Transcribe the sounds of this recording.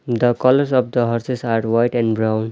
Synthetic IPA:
d̪əkʌləɾsɔfd̪əɦɔɾsesaɾwaɪʈɛ̃ɳɖbɾãʊ̃n

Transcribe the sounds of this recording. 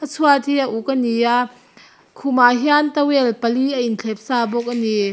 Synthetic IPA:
ʔɐsʰuat̪iaʔukənija | kʰumaːɦiant̪ɐwɛlpɐliʔɐinɬʰɛp̚saːbɔk̚ʔɐni

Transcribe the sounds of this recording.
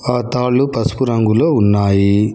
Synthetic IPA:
aːt̪aːɭːupɐsu̥puɾɐŋɡuloːunːaːji

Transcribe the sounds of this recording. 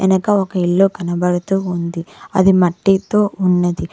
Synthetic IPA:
ɐnɐkɐɔkɐiɭːukɐnɐbɐɽɐt̪uːund̪iɐ̰d̪imɐʈːit̪oːunːɐd̪i

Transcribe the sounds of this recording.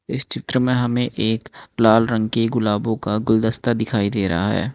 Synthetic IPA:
ɪst͡ʃɪt̪ɾəmẽɦɐmẽʔeːklaːlɾə̃ŋɡkeɡʊlaːbõkaɡʊld̪əst̪ad̪ɪkʰaːid̪eːɾɐ̰aɦɛ̰ː

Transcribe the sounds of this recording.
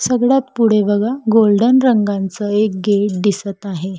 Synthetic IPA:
səɡɭat̪puɽ̤eʋəɡaɡolɖənɾəŋɡãnt͡səek̚ɡeʈ̚d̪isət̪aɦe

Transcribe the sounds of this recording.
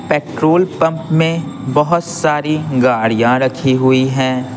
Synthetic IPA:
peːʈɾoːlpɐ̃mpmẽbɐɦʊt̪saːɾiɡaːɽijãɾɐkʰiɦʊiɦɛ̃ː

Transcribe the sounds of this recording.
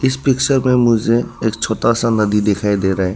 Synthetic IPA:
ɪspɪkt͡ʃəɾmẽmʊd͡ʒʱeeːk̚t͡ʃʰoːt̪asanɐd̪id̪ɪkʰaːid̪eːɾaɦɛː

